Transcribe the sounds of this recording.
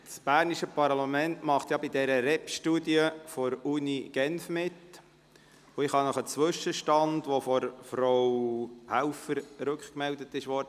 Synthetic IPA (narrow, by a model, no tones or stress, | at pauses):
sb̥æːɾniʃəpɑɾlɑmɛntmɑχt̪jɑbidɛɾəɾɛpʃtudiəfɔɾuniɡ̥ɛnfmɪt | ʊɪχhɑnɔχət͡sʋʏʃəʃtɑndʋofɔɾfɾɔwhælfəɾɾɵkχkmɛldət̪ɪʃʋɔɾd̥ə